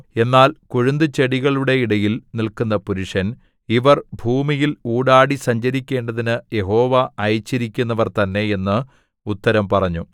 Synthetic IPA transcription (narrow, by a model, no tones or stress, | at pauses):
e̞nːaːlkuɻund̪ɨt͡ɕe̞ɽiɣɐɭuɽe̞iɽɐjilnilkunːɐpuɾuʂɐn | iʋɐrbʱuːmijiluːɽaːɽisɐɲd͡ʑɐɾikʲːe̞ːɳɖɐðinɨje̞ɦo̞ːʋɐɐjt͡ɕːiɾikʲːunːɐʋɐrt̪ɐnːe̞je̞nːɨ | ut̪ːɐɾɐmpɐrɐɲːu